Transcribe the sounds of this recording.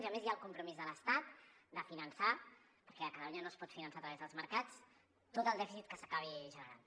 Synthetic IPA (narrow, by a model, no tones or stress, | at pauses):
ziəmezjaəlˠkumpɾumizðələst̪at̪̚ | d̪əfinənsa | pəɾkɛəkət̪əluɲənospɔt̪finənsaət̪ɾəβɛzðəlˠzməɾkat͡s | t̪ot̪əlˠd̪ɛfisit̪̚kəsəkaβ̞iʒənəɾan